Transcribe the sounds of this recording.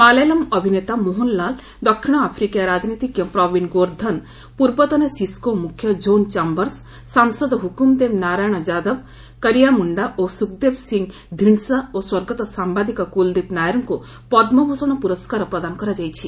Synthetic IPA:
palejlɔmɔbʱinet̪amoɦunlal | d̪ɔkʰʃiɳ̃ɔapʰɾikejaɾad͡ʒnit̪ikjɔpɾɔbinɡoɾd̪ʱɐn | puɾbɔt̪ɔnesiskomukʰjɔd͡ʒont͡ʃambəɾsː | ansɔd̪ɦukumd̪emnaɾajɽ̃ɔd͡ʒad̪ɔb | kəɾijamuɳɖaʔosuk̚d̪ebsiŋɡ | d̪ʱiɳsaoswɔɾɡɔt̪ɔsambad̪ʱikɔkuld̪ipnajɾŋku | pɔd̪mɔbʱusɔɽ̃ɔpuɾɔskaɾɔpɾɐd̪ankɔɾad͡ʒajt͡ʃʰi

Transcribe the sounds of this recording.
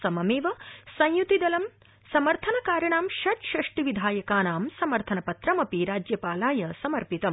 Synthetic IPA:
sɐmɐmeːʋɐsɐ̃jjut̪id̪ɐlɐm | sɐmɐɾt̪ʰɐnɐkaːɾjɐɳaːmʃɐt̪ʃɐʂʈiʋid̪ʱaːjɐkaːnaːmsɐmɐɾt̪ʰɐnɐpɐt̪ɾɐmɐpiɾaːd͡ʒjɐpaːlaːjɐsɐmɐɾpit̪ɐm

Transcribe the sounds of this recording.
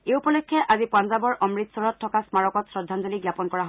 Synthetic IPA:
eupɔlɔjkʰːɛʔazipwãnzabɔɹʔɔmɹit̪sɔɹɔtʰːɔkasmaɹɔkɔtsɹɔdʱːanzɔliɡjapɔnkɔɹaɦ

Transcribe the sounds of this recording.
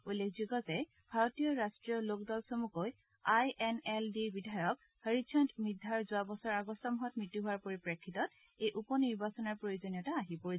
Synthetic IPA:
ujlːek̚ʰzukɔzɛ | bʱaɹotijɔɹastɹiɔlok̚dɔlsomukoj | ajɛnɛldibidʱajɔk | həɹid͡ʒʰɔntmidʱaɹzʊabɔsɔɹaɡɔsɔmɔɦɔt̚mɹitːuɦʊwaɹpoɹipɹekʰːitɔt̚ | ejʔupɔniɹbasɔnɔɹpɹojozonijɔtaːɦipoɹi

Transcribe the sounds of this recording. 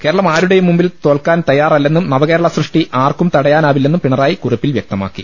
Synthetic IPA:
ke̞ːɾɐɭɐmaːɾuɽe̞jumːumbilt̪o̞ːɭkaːnt̪ɐjaːrɐlːe̞nːumnɐʋɐɣe̞ːɾɐɭɐsrɨʂʈiʔaːrkumt̪ɐɽɐjaːnaːʋilːe̞nːumpiɳɐraːjikuripːilʋjek̚t̪ɐma̰ːkːḭ

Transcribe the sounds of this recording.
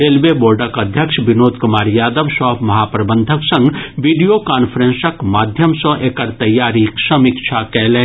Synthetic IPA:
ɾeːlʋeboːɾɖəkɐd̪ʱjəkʃʋɪnoːd̪kʊmaːɾjaːd̪əʋsɔːpʰmɐɦaːpɾɐbə̃nd̪ʱəksɐ̃ŋɡʋiːɖijokaːnpʰəɾẽnsəkmaːd̪ʱjəmsə̃ʔeːkɐɾt̪ɐjːaːɾiksɐmɪkt͡ʃʰakɛːlẽ

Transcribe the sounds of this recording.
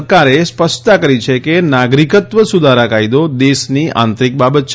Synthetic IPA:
kaɾespəst̪akəɾit͡ʃʰekenaɡɾikət̪ʋəsud̪ʱaɾakaid̪od̪eʃniã̰nt̪ɾik̚babət̪t͡ʃʰ

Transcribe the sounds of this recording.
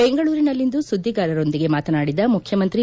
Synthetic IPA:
beŋɡɐɭuːɾinɐlːind̪usud̪ʱːiɡaːɾɐɾo̞nd̪iɡe̞maːt̪ɐnaːɽid̪ɐmukʰjɐmɐnt̪ɾi

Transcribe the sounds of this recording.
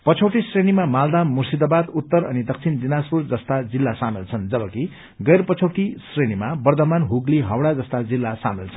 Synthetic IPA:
pʌt͡sʰowʈisrenimamald̪amːursid̪abad̪ut̪ːʌɾʌnid̪ʌk̚t͡sʰind̪inaspurd͡zʌst̪ad͡zilːasamilt͡sʰʌnd͡zʌbʌki | ɡʌjrpʌt͡sʰowʈisrenimabʌrd̪ʌmanɦuɡliɦʌwɽad͡zʌst̪ad͡zilːasa̰milt͡sʰʌn

